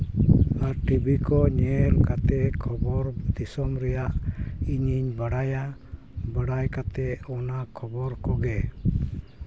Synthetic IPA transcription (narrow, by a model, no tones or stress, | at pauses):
aɾʈibikɔɲɛɾkat̪ɛkʰɔbɔɾd̪isɔmɾɛjaʔiɲiɲbaɽaja | bəɽajkat̪ɛɔnakʰɔbɔɾkɔɡɛ